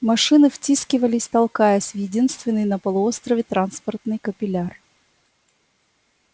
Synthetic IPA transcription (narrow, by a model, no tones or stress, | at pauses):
mɐʂɨnɨftʲiskʲɪvəlʲɪsʲt̪ɐlˠkajəsʲvjɪdʲinst̪vʲɪnːɨjnəpəlˠʊo̞st̪ɾəvʲɪt̪ɾanspərt̪nɨjkəpʲɪlʲar